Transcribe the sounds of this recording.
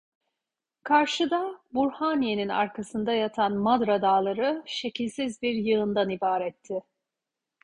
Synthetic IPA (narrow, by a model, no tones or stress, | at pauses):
kʰaɾʃɯd̪abuɾhaːnije̞nina̰ɾkʰasɯnd̪ajat̪ʰanmad̪ɾad̪aːlˠaɾɯʃe̞cʰilʲsizbiɾjɯɯnd̪anibaːɾɛt̪ʰːɪ